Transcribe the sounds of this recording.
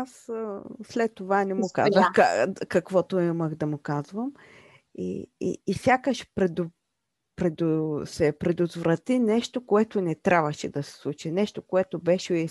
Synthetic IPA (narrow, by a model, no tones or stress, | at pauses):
asslɛt̪ːovanɛmʊka̰zvəxkakɐkvɔt̪ʊiməxd̪ɐmʊkazvəm | ḭːsʲjakəʃpɾɛd̪ʊ | pɾɛd̪sɛpɾɛd̪ot̪vɾɐt̪inɛʃt̪okoɛt̪onɛt̪ɾʲʔavəʃɛd̪ɐsɛ̥slˠut͡ʃinɛʃt̪okoɛt̪obɛʃɛi